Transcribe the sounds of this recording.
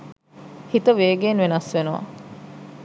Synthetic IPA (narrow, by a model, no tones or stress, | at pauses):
hit̪əʋeːɡeːnʋenɐsʋenuʋɐ̰